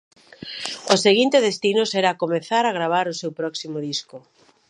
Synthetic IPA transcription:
oseɣint̪eðest̪inʊsɛɾaːkomeθaɾaɣɾaβ̞aɾʊsewpɾɔksimoðiskʊ

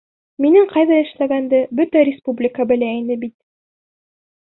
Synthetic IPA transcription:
minɘŋqɑjðɑɘ̆ʃlæɡænd̪ɘbɵt̪æɾʲɪspublʲɪkəbɘ̆læinɘbit̪̚

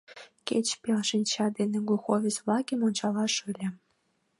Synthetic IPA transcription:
kʲet͡ɕpʲelʃinʲt͡ɕɑd̪enʲĕɡuxovʲet͡svlˠɑkʲimonʲt͡ɕɑlˠɑʂɤlʲĕ

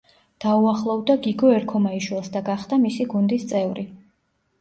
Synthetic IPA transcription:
d̪̥auaχlˠɔvd̪aɡiɡɔɛɾkʰɔmaiʃwɛlˠsd̪aɡaχd̪amisiɡund̪ist̪sʼɛvɾi

